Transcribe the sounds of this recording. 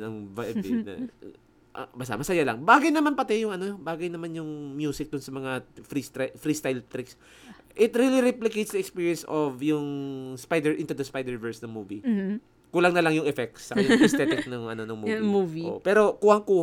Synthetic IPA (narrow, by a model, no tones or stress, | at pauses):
nɐŋvabḭnɐ̰ | ʔbɐst̪a̰mɐsɐjalɐŋbaːɡɐjnɐmanpɐt̪ɛjʊŋɐnobaːɡɐjnɐmanjʊŋmjuːsɪk̚d̪ʊnsɐmɐŋafɾist̪fɾist̪ajlt̪ɾɪks | ʔɪt̪ɾiliɾɛplɪkejt̪sd̪ɐɛkspiːɹijɛnsovjʊŋspajd̪ɛɹʔɪ̃nt̪ud̪ɐspajd̪ɛɹvɛɹsnɐŋmuːvi | kuːlɐŋnɐlɐŋjʊŋʔɛfɛk̚tssɐkɐjɛst̪ɛt̪ɪk̚nɐŋʔɐnonoŋmumuvipɛːɾo̞kuhɐŋkuːh